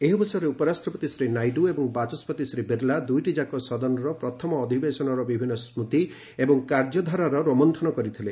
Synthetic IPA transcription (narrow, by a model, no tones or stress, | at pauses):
eɦibɔsɔjɔɾeupɔɾasʈɾɔpɔt̪isɾinajɖuebɔŋbat͡ʃɔspɔt̪isɾibiɾlad̪ujʈid͡ʒakɔsɔd̪ɔnɔɾɔpɾɔt̪ʰɔmɔːd̪ʱibesɔnɔɾɔbibʱinːɔsmut̪i | ebɔŋkaɾd͡ʒɔd̪ʱaɾaɾɔɾɔmɔnt̪ʰɔnɔkɔɾit̪ʰile